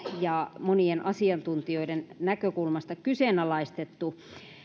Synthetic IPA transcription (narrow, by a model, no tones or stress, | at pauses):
jɑmonienʔɑsiɑnt̪unt̪ioidennækøkulmɑst̪ɑkyseˑnɑlɑist̪et̪ːu